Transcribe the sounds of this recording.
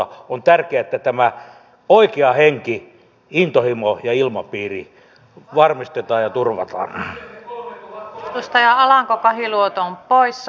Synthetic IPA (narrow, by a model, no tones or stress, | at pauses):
ɑont̪ærkeæet̪ːæt̪æmæ | oikeɑheŋki | int̪ohimojɑilmɑpiːri | ʋɑrmist̪et̪ɑːjɑt̪urʋɑ̰t̪ɑ̰ːn | ust̪ɑjɑɑlɑŋkokɑhiluot̪ompois